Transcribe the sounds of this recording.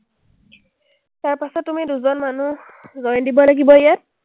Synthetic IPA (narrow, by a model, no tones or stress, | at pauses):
taɹpasɔtːumiduzɔnmanu | zɔjndibɔlaɡibɔjat̚